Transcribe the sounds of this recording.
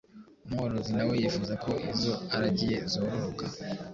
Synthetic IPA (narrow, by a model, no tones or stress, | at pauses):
umhoɾozinawejifuzako̞ʔizo̞aɾaɟije̞zoβoɾuka